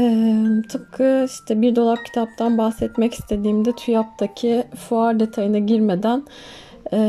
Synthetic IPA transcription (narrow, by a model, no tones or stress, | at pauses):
ɛmt̪ʰɯp̚kʰɯit̪ʰɛbiɾd̪o̞lˠap̚cʰi̥t̪ʰap̚t̪ʰanbaxsɛt̪mɛci̥st̪ʰe̞d̪iːmd̪ɛt̪ʰyjap̚d̪acʰifuaɾd̪e̞t̪ʰajinɛɟiɾme̞d̪æn | ɛː